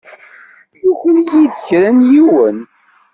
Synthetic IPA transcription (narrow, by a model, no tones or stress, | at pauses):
juçljiðəçɾænjiwən